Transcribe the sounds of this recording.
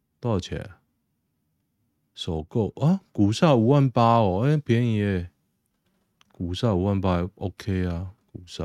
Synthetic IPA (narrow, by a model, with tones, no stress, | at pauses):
t̪a˥˧˩t͡ɕʰja̰˨˩ | sɔ˨˩ko˥˩˨a˦ku˨˩sa˥˧u˨˦wa˥˨npa˦ɔ˨˩e˦pʰjɛ˧˦ni˨˩e˥˧˩ | ku˨˩sa˥˧˨u˨wa˥˨npa˦˨ʔo˦kʰe˦a˧ku˨˩sa̰˥˧˨